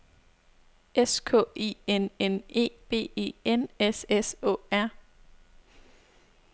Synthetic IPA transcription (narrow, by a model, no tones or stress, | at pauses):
eskʰɔ̰̽ːe̝̰ːenene̝̰ːb̥e̝̰ːe̝̰ːenesesɔ̰̽ːæɐ̰